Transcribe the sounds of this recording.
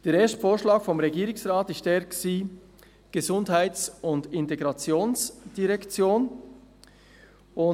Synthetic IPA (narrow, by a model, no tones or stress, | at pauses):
d̥eːɾeːɐstfoːɾʃlaːkfɔmʁeɡiːɾɪŋsʁaːtɪçtɛɾksiː | ɡ̥əzʊndɦaɪt͡sʊndɪnteɡʁɑt͡sjoːnsd̥iʁɛkt͡sjoːn | ʊ